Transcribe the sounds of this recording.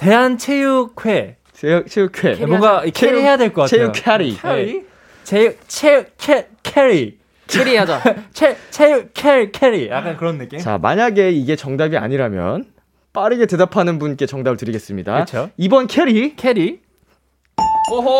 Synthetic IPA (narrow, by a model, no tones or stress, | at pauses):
te̞ɦant͡ɕʰejukʰwe | t͡ɕʰet͡ɕʰejukʰwe̞ŋɡakʰeeiɦejadweɭk͈ʌk͈at͡ɕʰejukʰeɾḭeɾi | t͡ɕet͡ɕʰekʰe | kʰeɾi | kʰeɾiad͡ʑat͡ɕʰet͡ɕʰejukʰeɾikʰeɾijakk͈ankɯɾʌnːeket͡ɕa̰ma̰ɲaɡe̞iɡe̞t͡ɕʌŋdabia̰ɲiɾamjʌ̰n | p͈aɾɯɡe̞te̞dapʰanɯnbunk͈e̞t͡ɕʌŋdabɯɭtɯɾiɡe̞s͈ɯmɲida̰ɯt͡ɕʰoibʌnkʰe̞ɾikʰeɾi | oɦo